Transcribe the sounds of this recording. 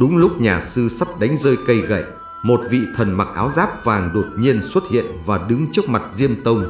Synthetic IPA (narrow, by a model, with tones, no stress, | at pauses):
ɗʊ˨˦ŋ͡mlʊ˦˥k͡p̚ɲaː˨˩sɨ˧sa˦˥p̚ɗa˨˦jŋ̟zəː˧jkə˧jɣə̰˧˨j | mo˨˩t̚vḭ˧˨t̪ʰə˨˩nma˨˩k̚ʔaː˨˦wzaː˦˥p̚vaː˨˩ŋɗo˨˩t̚ɲi˧ənswə˦˥t̚hḭ˧˨ənvaː˨˩ɗɨ˨˦ŋt͡ɕɨ˦˥ək̚ma˨˩t̚zi˧əmt̪ə˧wŋ͡m